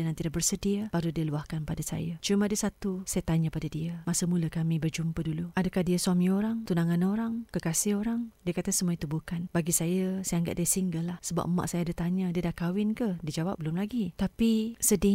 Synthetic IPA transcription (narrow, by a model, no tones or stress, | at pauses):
ənant̪idaʔbərsədiabaɾudiəluahkanpadasa̰jat͡ʃumãdəsat̪usajat̪aɲapadadiəmasəmuləkamĩbərd͡ʒumpəduluadakahdiəsuamĩoɾaŋt̪unaŋanoɾaŋkəkasɪhoɾaŋdiəkat̪əsəmuait̪ubukanbaɡisajasajaŋɡa̰ʔ̚diasiŋɡəlahsəba̰p̚ma̰ʔsajadat̪aɲadiədahkawɪnkəhdiəd͡ʒawap̚bəlʊmlaɡit̪apisədɪ